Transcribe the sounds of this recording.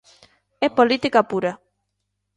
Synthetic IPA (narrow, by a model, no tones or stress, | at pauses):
ɛpolit̪ikapuɾa